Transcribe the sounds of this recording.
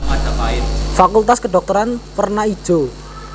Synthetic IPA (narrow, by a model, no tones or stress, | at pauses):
mad̥apaɪfakult̪askəɖɔk̚t̪ɔɾanpərnai̥ʒ̥o̤